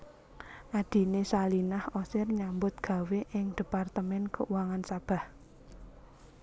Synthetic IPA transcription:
ʔad̪̥i̤nesalinahɔsɪrɲambʊt̪̚ɡ̥a̤weʔɪŋd̪̥ə̤part̪əmɛnkəʔwaŋansab̥a̤h

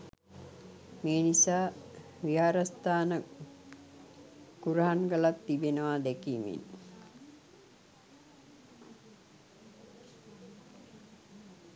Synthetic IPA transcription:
meːnisaː | ʋiɦaːɾəst̪aːnə | kuɾaɦanɡəlat̪ːibenəʋad̪ekimḭn

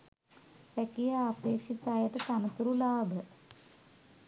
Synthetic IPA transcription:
pækijaːpeːkʂit̪aːjəʈət̪anət̪uɾulaːbʱə

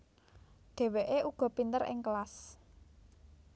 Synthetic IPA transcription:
ɖ̪̥e̤weʔeʔuɡ̥ɔ̤pint̪əɾɪ̰ŋkəlas

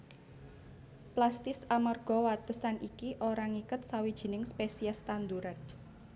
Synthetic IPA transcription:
plast̪ɪsamarɡ̥ɔwat̪əsanikiʔoɾaŋikʊt̪̚sawid̥ʒ̥i̤nɪŋspesiast̪and̪uɾat̪

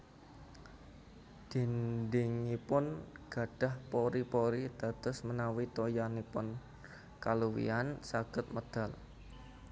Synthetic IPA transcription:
d̪̥i̤ndɪŋipʊnɡ̥a̤ɖ̥a̤hpoɾipoɾid̪̥a̤t̪ʊsmənawit̪ojanipʊn | kaluwḭansaɡ̥ət̪̚məd̪̥a̤l

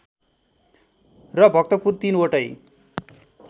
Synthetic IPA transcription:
rʌbʱʌk̚t̪ʌpurt̪inoʈʌj

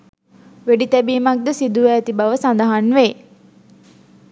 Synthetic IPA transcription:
ʋeɖit̪æbiːmak̚d̪əsid̪uʋæːt̪ibaʋəsand̪əɦanʋe

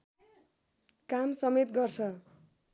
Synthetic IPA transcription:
kamsʌmet̪ɡʌrt͡sʰʌ

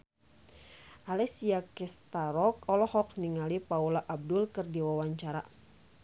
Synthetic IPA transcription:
ʔalɛsiakɛst̪aɾɔk̚ɔlɔhɔk̚niŋalipaulaʔab̚dulkɨrdiwawaɲt͡ʃaɾa̰

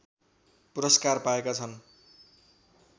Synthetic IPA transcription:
puɾʌskarpaekat͡sʰʌn

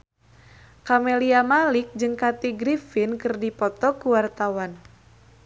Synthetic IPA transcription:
kameliamalik̚d͡ʒɨŋkat̪iɡɾifinkɨrdipɔt̪ɔkuwart̪awan

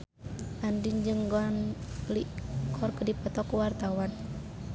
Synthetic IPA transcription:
ʔandind͡ʒɨŋɡɔnlikʰɔrkədipət̪ɔkuwart̪awan

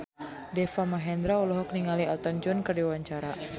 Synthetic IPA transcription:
dɛfamaɦɛnd̪ɾaulɔɦɔk̚niŋalialt̪ənd͡ʒɔnkərdiwaɲt͡ʃaɾa

